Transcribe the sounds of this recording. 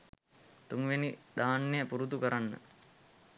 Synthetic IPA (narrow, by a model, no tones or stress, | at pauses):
t̪uŋʋenid̪aːnːejəpuɾut̪ukəɾanːə̰